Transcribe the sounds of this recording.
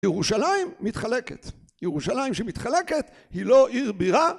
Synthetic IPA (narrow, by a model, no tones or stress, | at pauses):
jeʁuʃalajimːit̪χale̞kḛt̪ | jeʁuʃalajimʃemit̪χale̞ket̪ | hiloʔiʁbiʁa